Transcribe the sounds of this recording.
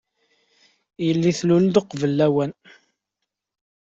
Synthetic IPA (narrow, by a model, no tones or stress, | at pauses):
jəlːiθluld̪əqːvəlːæwæn